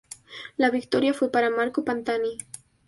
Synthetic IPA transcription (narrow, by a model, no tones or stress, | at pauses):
laβɪkt̪oɾjafwepaɾamaɾkopant̪ani